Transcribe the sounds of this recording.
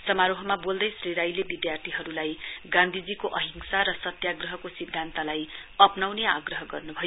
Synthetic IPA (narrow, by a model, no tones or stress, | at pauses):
sʌmaɾoɦʌmabold̪ʌjsriɾajlebid̪jart̪ʰiɦʌɾulajɡãnd̪ʱid͡zikoʔʌɦiŋsaɾʌsʌt̪jaɡrʌɦʌkosid̪ʱːant̪alajʌpnawnea̰ɡrʌɦʌɡʌrnubʱʌjo